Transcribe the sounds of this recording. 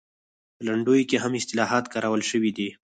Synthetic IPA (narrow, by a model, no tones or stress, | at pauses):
pəlaɳɖujokeɦamɪst̪ɪlɑɦɑt̪kɑɾawəlʃəwid̪i